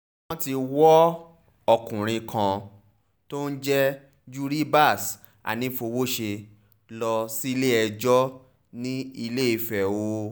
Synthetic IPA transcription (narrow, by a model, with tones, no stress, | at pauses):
w̃ɔ̃˦ti˧wɔ˦ | ɔ˧kũ˨ɾ̃ĩ˧kʰã˧ | to˦n̩˦d͡ʒɛ˦ | d͡ʒu˦ɾi˦ba˦˨s | a̰˨nĩ˨˦fo˧wo˦ʃe˧ | lɔ˧si˦i˦˧le˦ɛ˧d͡ʒɔ˦ | nĩ˦i˧le˦i˨fɛ˨wo˨˦